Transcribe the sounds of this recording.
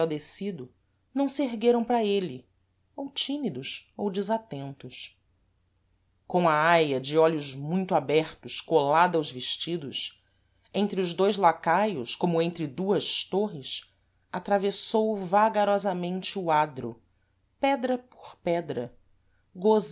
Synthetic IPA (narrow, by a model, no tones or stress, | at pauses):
ɛwd̪esid̪ʊ | nɐ̃w̃seɾɡeɾɐ̃w̃pɾɐelɪ | owt͡ʃimid̪ʊsowd͡ʒɪzat̪ẽnt̪ʊs | kõɐajɐd͡ʒɪɔlʊzmũj̃t̪ʊabɛɾt̪ʊskolad̪ɐawzveʃt͡ʃid̪ʊ̰s | ẽnt̪ɾɪʊzd̪ojzlakajʊʃkõmʊẽnt̪ɾɪd̪uɐʃt̪oɦɪs | at̪ɾavesowvaɡaɾɔzɐmẽnt͡ʃɪuad̪ɾʊ̰ | pɛd̪ɾɐpo̥ɾpɛd̪ɾɐ̰ | ɡoz